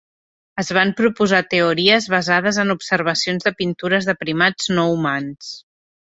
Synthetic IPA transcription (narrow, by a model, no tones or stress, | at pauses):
əzβ̞ampɾupuzat̪əuɾiəzβəzaðəzənupsəɾβ̞əsionzðəpint̪uɾəzðəpɾimad͡znɔumans